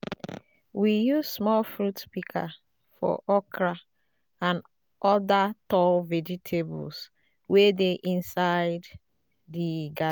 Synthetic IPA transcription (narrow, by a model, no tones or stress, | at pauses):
wijuzsmɔlfɹutpikʰa̰ | fɔ̰ʔɔkɹa | ãn | ʔɔdatɔlvɛd͡ʒitʰebṵls | wedeʔĩnsaɪd | diɡa